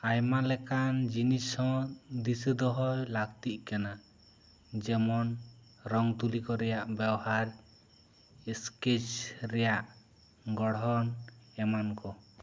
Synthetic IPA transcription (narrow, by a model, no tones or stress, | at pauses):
ajmalɛkand͡ʒinisɔ̃d̪isəd̪ɔɦɔjlaɡt̪iʔ̚ˀkana | d͡ʒɛmɔn | ɾɔŋt̪ulikɔɾɛjaʔbabhaɾ | ɛsket͡ʃɾɛjaʔ | ɡɔɽɔnɛmankɔ